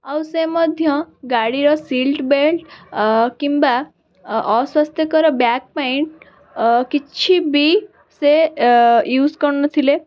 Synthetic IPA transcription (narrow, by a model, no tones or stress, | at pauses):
əwseməd̪ʱjəɡaɽiɾɔsiːlʈbelʈkĩmba | ɔsʋast̪ʰjəkəɾɔbjak̚paiɳʈ̚ | kit͡ɕʰibi | se | juːd͡zkəɾnət̪ʰile